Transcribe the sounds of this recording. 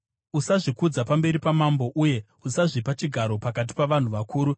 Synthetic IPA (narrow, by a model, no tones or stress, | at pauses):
usaʐikud͡zapambe̞ɾipamambo̞ʔuje̞ | usaʐipat͡ʃiɡʱaɾo̞pakat̬i̥paʋan̤uʋakuːɾu